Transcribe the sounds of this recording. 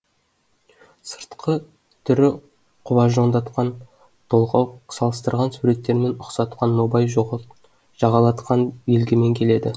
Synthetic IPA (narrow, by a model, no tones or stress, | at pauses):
sə̥ɾt̪qʰə | t̪ʰʏɾɪ | qʰʊbɑʒo̞nd̪ɑt̪qɑn | t̪ʰolˠʁɑwsɑlˠəst̪əɾʁɑnsuɾe̞t̪ːe̞ɾme̞nʊqsɑt̪qʰɑnːobɑjʒ | ʒ̥ɑʁɑlˠɑt̪qɑnjelɡʲeme̞ŋkʲʰe̞le̞d̪ɪ